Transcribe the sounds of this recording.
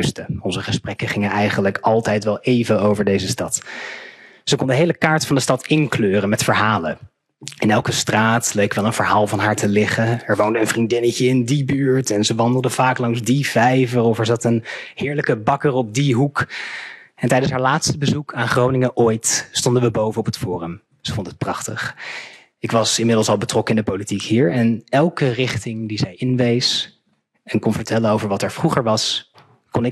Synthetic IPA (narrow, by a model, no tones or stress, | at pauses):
stəɔnzəχəsprɛkəχɪŋənɛjχənləkɑlˠtɛjtʋɛlˠejvəowvəɹdejzəstɑt | z̥əkɔndəɦejləkaːɹtfɑndəstɑtɪnkløːrənmɛtfəɹɦaːlə̰ | ɪnɛlˠkəstraːtlejkʋɛlˠənvəɹɦaːlˠvɑnɦaːɹtəlɪχəɛɹʋowndəənvrindɪnəcəɪndibyːɹtɛnzəʋɑndəlˠdəv̥aːklɑŋzdivɛjvərɔfɛɹzɑtənhɪːɹləkəbɑkərɔp̚diɦuk | ɛntɛjdənsɦaːɹlaːtstəbəzukʰaːnχrownɪŋəʔojtstɔndənʋəbowvənɔpɦətfʊːrəm | səfɔntəət̚prɑχtəχ | ɪkʋɑsɪnmɪdlˠsɑlˠbətrɔkəɪndəpolitikɦiːɹɛnɛlˠkərɪχtɪŋdizɛjɪnʋejs | ɛnkɔnvəɹtɛlənowvəɹʋɑtɛɹv̥ruχəɹʋɑs | kɔnɪ